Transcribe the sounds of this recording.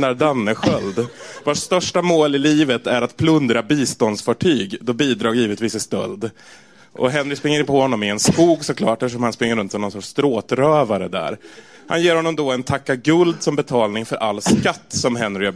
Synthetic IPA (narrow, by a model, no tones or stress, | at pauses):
naɖanːəɧœld̪vɔʈst̪œʂʈamoːlɪliːvət̪æɾat̪pʰlɵnd̪ɾabiːst̪ɔnd̪sfɑːʈʰyːɡd̪ɔbiːd̪ɾɑːɡjiːvət̪viːsɪst̪œ̰ld̪ | ʔɔ̰ɦɛnːɾɪkspɾɪŋːəɾɪpʰɔhɔnːɔmɪɛnskuːɡsɔkʰlɑːʈɛləʂɔmhanspɾɪŋːəɾɵnt̪sɔmnɔnsɔʈʂt̪ɾoːt̪ɾøːvaɾə̰d̪æ̰ɾ | ha̰njeːɾhɔnːɔmd̪ɔɛnt̪ʰakːaɡɵld̪sɔmbɛt̪ʰɑːlnɪŋfœɾʔalːskat̪ːsɔmɦɛnɾɪ